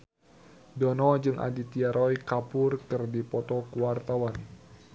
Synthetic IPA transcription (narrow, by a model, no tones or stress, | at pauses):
dɔnɔd͡ʒɨŋʔa̰dit̪iaɾɔjkapʊrkɨrdipɔt̪ɔkuwart̪awan